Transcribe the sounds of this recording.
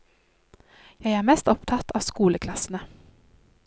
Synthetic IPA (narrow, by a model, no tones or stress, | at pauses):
jæɪæːɾmɛst̪ɔpt̪ʰɑt̪ʰɑːʋskuːləkʰlɑsn̩ə